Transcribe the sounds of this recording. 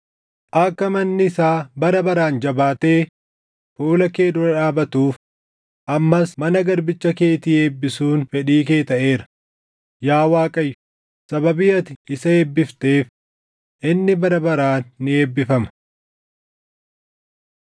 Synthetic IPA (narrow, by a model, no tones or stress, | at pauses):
ʔɐkːɐmɐnːɪɪsaːbɐɾɐbɐɾaːnd͡ʒɐbaːt̪e̞ː | fuːlɐke̞ːd̪ʊɾɐᶑaːbɐt̪uːf | ʔɐmːɐsmɐnɐɡɐɾbɪt͡ʃːɐke̞ːt̪iːe̞ːbːɪsuːnfɛᶑiːk̬e̞ːt̪ɐʔe̞ːɾɐ̥ | jaːwaːkʼɐjːʊ̥ | sɐbɐbɪjɐt̪ɪɪsɐeːbːɪft̪e̞ːf | ʔɪnːɪbɐɾɐbɐɾaːnːɪe̞ːbːɪfɐmɐ̥